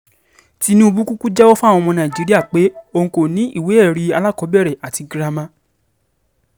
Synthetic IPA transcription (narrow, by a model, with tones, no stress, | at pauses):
ti˦nũ˦u˧bu˦ku˦ku˦d͡ʒɛ˦o˦fu˦a˦˨w̃ɔ̃˧mɔ̃˧nã˨d͡ʒi˨˦ɾi˦a˦˨k͡pe˨˦o˧ŋ̩̃˧ko˨nĩ˨˦ʔi˦˨we˨˦ɛ˦˨ɾi˨˧˦a˧la˦˨kɔ˨˦bɛ˦˨ɾɛ˨ʔa˨ti˧ɡɾa˧mã˧˦